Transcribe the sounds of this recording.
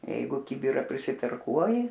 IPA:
ˈjɛɪɡʊ ˈkʲɪbʲɪrɑː pʲrʲɪsʲɪtɐrˈkuɔjɪ

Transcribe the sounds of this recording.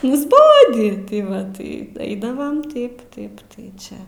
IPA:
nʊzˈboːdʲiː tʲɪ ˈʋɐ tɐɪ ˈɛɪdɐʋɐm ˈtɐɪp ˈtɐɪp tɐɪ ˈt͡ʃʲɛ

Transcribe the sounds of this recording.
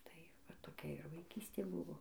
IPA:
tɐɪ ʋɐ toːˈkʲɛ ɪr ʋɐɪˈkʲiːsʲtʲeː ˈbʊʋoː

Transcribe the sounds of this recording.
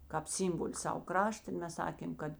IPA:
ˈkɑːp ˈsʲɪmboːlʲɪ ˈsɐw ˈkrɑːʃtɐ ɪ ˈmʲɛs ˈsɑːkʲeːm ˈkɐt

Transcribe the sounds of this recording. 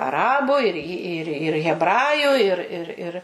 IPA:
ɐˈrɑːbʊ ɪr ɪ ˈɪr ɪr ɣʲɛbˈrɑːjʊ ɪr ɪr ˈɪr

